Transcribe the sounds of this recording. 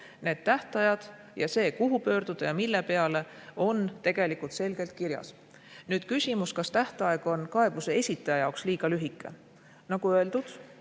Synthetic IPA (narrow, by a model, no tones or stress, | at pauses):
ne̞ːd̪̥t̪æht̪ɑjɑd̪̥ | jɑse̞ːkuɦupø̞ːɾd̪̥ud̪̥ɑjɑmilːe̞pe̞ɑle̞o̞nt̪e̞ɡ̥e̞likˑult̪se̞lɡ̥e̞lt̪̚kiɾjɑ̰s | nyːd̪̥kysʲimuskɑst̪æht̪ɑe̞ɡ̥o̞nkɑe̞b̥use̞e̞sʲit̪ːˑɑjɑjɑoksliːɡ̥ɑlyɦikːˑe̞̰ | nɑɡ̥uøe̞ld̪ud̪̥